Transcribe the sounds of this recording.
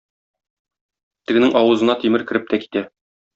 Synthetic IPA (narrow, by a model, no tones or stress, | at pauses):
t̪ɘ̆ɡɘ̆nɘŋʔɒwɤ̆zɤ̆nɑt̪imɘɾkɘ̆ɾɘp̚t̪æki̥t̪æ